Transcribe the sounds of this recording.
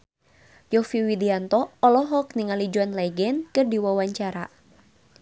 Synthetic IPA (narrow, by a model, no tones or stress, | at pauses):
jɔfiwidiant̪ɔɔlɔɦɔk̚niŋalid͡ʒuanlɛɡɛnkɨrdiwawaɲt͡ʃaɾa̰